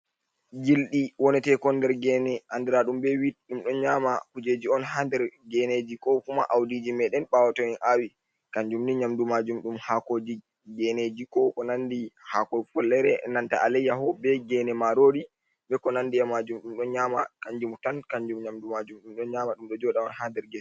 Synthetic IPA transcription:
d͡ʒilɗiwɔnɛtɛkɔndɛɾɡɛnɛandɛɾaɗumbɛwiɗumɗɔnɲamakud͡ʒed͡ʒiɔnɦandɛɾɡɛned͡ʒikɔkuma̰ʔawdid͡ʒimɛɗɛnɓawatɔɛnʔawi | kaɲd͡ʒumniɲamdumad͡ʒumɗumhakod͡ʒi | ɡɛned͡ʒikɔkɔnandihakɔfɔlːɛɾɛnanta̰ʔalɛjːaɦɔbɛɡɛnɛmaɾoɾi | bɛkɔnandiɛmad͡ʒumɗumɗɔnɲamakaɲd͡ʒumtankaɲd͡ʒumɲamdumad͡ʒumɗumɗɔnɲamaɗumɗɔd͡ʒɔɗaɔnhandɛɾɡɛs

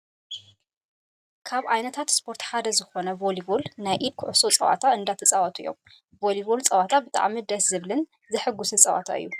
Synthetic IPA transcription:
kʰaβʕajnɐt̪ʰat̪spʰo̞ɾt̪ħad̪ɐzɨxo̞nɐvolibolnajʔid̪̚kʰʊʕʊsot͡sʼɐwa̰t̪ʰaɨnd̪at̪ʰɐt͡sʼawɐt̪ʰʼṵjːo̞̰m | voliβolt͡sʼɐwat̪ʰabɨt̪ʼa̰ʕmid̪ɐszɨβlɨn | zɨħɨɡːusɨt͡sʼɐwa̰t̪ʰa̰ɨ̰jːu

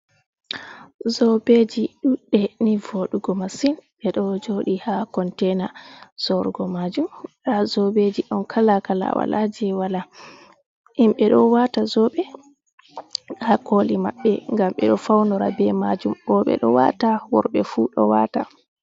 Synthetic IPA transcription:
zɔbed͡ʒiɗuɗːɛnivoɗuɡɔmasinɓɛɗɔd͡ʒoɗihakɔntɛnasɔɾɡɔmad͡ʒumɗazɔbed͡ʒiɗɔnkʰalakala̰wa̰lad͡ʒɛwala | ʔimɓɛɗɔwatazɔɓɛ | hakolimaɓːɛŋɡamɓɛ̰ɗɔfawnɔɾa̰bɛmad͡ʒumɓɔɓɛ̰ɗɔwa̰tawɔɾɓɛfuɗɔ̰wa̰ta

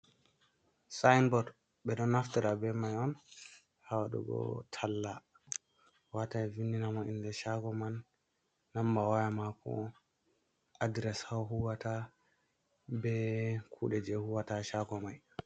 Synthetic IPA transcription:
sajnbɔd | ɓɛɗɔnːaftiɾabɛmajɔn | hawaɗṵɡɔ̰tʰalːa | watavinːinamɔindɛʃaɡɔmanː | ambawajamakʰɔ̰ | adɾɛshawɦuwata | bɛkʰṵɗɛd͡ʒɛhuwataʃaɡɔmaj

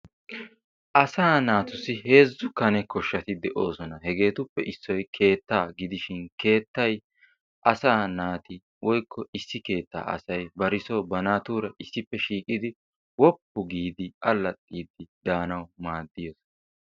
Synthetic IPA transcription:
ʔɐsaːnaːt̪ʊsɪɦe̞ːzːʊkɐnɛkɔʃːɐt̪ɪd̪ɛʔo̞ːsɔnɐɦɛɡe̞ːt̪ʊpːɛʔɪsːɔjkʰe̞ːt̪ːaːɡɪd̪ɪʃɪnke̞ːt̪ːɐj | ʔɐsaːnaːt̪ɪ | wʔɔjkːɔɪsːɪke̞ːt̪ːa̰ːʔɐ̰sɐjbɐɾɪso̞ːbɐnaːt̪uːɾɐʔɪsːɪpːɛʃiːkʼːɪd̪ɪ | wɔpːʊɡiːd̪ɪʔɐlːɐt̪ʼːiːd̪ɪd̪aːnɐwmaːd̪ːɪjosɔ̥nɐ

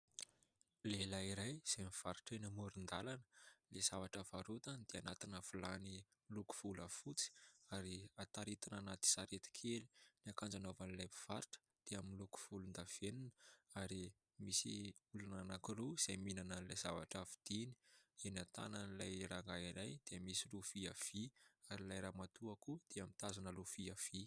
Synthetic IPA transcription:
lelaiɾajz̥amiv̥aɾiʈ͡ʂenəmuɾind̪alanə̥lez̥avaʈ͡ʂavaɾut̪anid̪̥eanat̪inəfulani | miluku̥fulafut͡si̥aɾiat̪aɾit̪ananat̪i̥saɾet̪i̥kʰeli̥niakand͡zanovanilajpi̥v̥aɾiʈ͡ʂə̥ | d̪̥eamiluku̥fulund̪av̥eninəaɾi | misḭ | ulananakiruiz̥ajminananilajz̥avaʈ͡ʂavid̪̥ini̥enat̪a̰nanilajraŋɡaiɾajd̪̥eəmisilufiav̥iaɾilajɾaːmat̪uakud̪̥eamit̪azanəlufiav̥i

